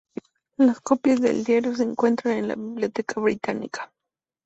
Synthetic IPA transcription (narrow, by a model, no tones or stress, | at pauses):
laskopjazðḛld̪jaɾos̬eːŋkwent̪ɾanenla̰βiβliot̪ekʰaβɾit̪anḭkḁ